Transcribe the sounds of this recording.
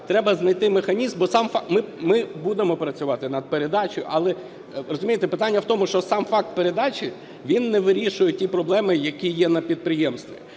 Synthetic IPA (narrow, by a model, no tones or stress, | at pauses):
t̪ɾɛbɐznɐjt̪ɪmexɐnʲizmbɔsɑmfmɪmɪbud̪emɔpɾɐt͡sʲʊʋɑt̪ɪnɐd̪̚peɾe̞d̪ɑt͡ʃɔjʊ̰ʔɐlˠɛ | ɾɔzʊmʲijet̪ɛpɪt̪anʲːɐwt̪ɔmʊʃt͡ʃɔsɑmfɑk̚t̪̚peɾe̞d̪ɑt͡ʃʲɪ | ʋʲinːɛʋɪɾʲiʃʊjɛtʲipɾɔblˠɛmɪjɐkʲijɛnɐpʲid̪̚pɾɪjɛmst̪ʋʲi